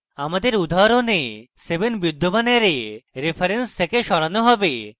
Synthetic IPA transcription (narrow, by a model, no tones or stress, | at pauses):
amad̪eɾud̪ʱaɾonesebenbud̪ʱːobaneɾeɾepʰaɾenst̪ʰekeʃɔɾanoɦɔbe